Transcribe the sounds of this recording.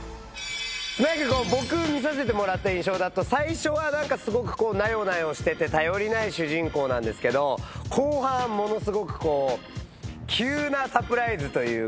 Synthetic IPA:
ɨnakako̞ːbo̞kɯ̟mʲis̬as̬e̞t̪̬e̞mo̞ɾat̪ːaĩɕ̬o̞ːd̪at̪ːosaiɕo̞βanãŋkasɨɡo̞kɯ̟̥ko̞ːnajo̞najo̞ɕi̥t̪e̞t̪e̞t̪ajo̞ɾʲinaiɕɨʑĩŋko̞ːnãnd̪e̞sɨ̥ke̞d̪o̞kʰo̞ːhãmːo̞no̞sɨɡo̞kɯ̟̥ko̞ː | kʲʰɨːnasapɯ̟ɾaizɨt̪o̞jɯ̟ː

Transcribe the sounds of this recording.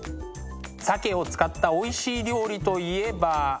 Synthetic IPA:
sake̞o̞t͡sɨ̥kat̪ːao̞iɕiːɾʲo̞ːɾʲit̪o̞ie̞ba

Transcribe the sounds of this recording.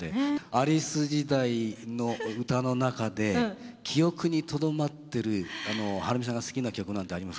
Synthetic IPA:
eaɾʲisɨd͡ʑid̪aino̞ɯt̪ano̞nakad̪e̞kʲʰijo̞kɯ̟ɲ̟it̪o̞d̪o̞mat̪ːe̞ɾɯ̟ano̞haɾɯmʲisãŋɡasɨ̥kʲinakʲijo̞kɯ̟nãnt̪e̞aɾʲimas

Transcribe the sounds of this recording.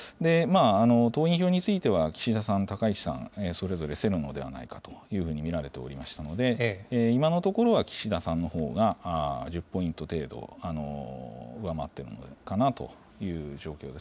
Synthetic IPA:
d̪e̞maːno̞t̪o̞ːĩɰ̃ço̞ːɲ̟it͡sɨit̪e̞βakʲi̥ɕid̪asãnt̪akait͡ɕi̥sã̰ɴeso̞ɾe̞zo̞ɾe̞se̞ɾɯ̟no̞̰d̪e̞a̰na̰ikat̪o̞̥jɯ̟ːɸɯ̟ːɲ̟imʲiɾaɾe̞t̪e̞oɾʲimaɕi̥t̪ano̞d̪e̞ːimano̞t̪o̞ko̞ɾo̞βakʲi̥ɕid̪asãnːo̞ho̞ːɡaʑɨpːo̞ĩnt̪o̞t̪e̞ːd̪o̰ano̞̰ | ɯ̟amat̪ːe̞ɾɯ̟̰nokanat̪o̞̰ | jɯ̟ːʑo̞ːkʲo̞ːd̪e̞s

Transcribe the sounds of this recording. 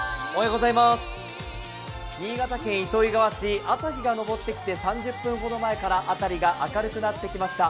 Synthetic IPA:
oheɡo̞zaimasɨ̥ | ɲʲiːɡat̪akẽ̞ɰ̃it̪o̞iɡaβaɕiʔasaçiɡano̞bo̞t̪ːe̞kʲi̥t̪e̞sãɲ̟d͡ʑɨpːɯ̟̃ŋɡo̞d̪o̞mae̞kaɾaʔat̪aɾʲiɡaʔakaɾɯ̟kɯ̟nat̪ːe̞kʲimaɕi̥t̪a

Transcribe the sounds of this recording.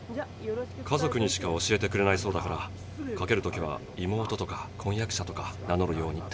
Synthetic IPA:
kʰazo̞kɯ̟ɲ̟iɕi̥kao̞ɕie̞t̪e̞kɯ̟ɾe̞naiso̞ːd̪akaɾa | kake̞ɾɯ̟t̪okʲiβa̰ | imo̞ːt̪o̞t̪o̞kakʰõ̞ɰ̃jakɯ̟ɕat̪o̞kanano̞ɾɯ̟jo̞ːɲ̟i

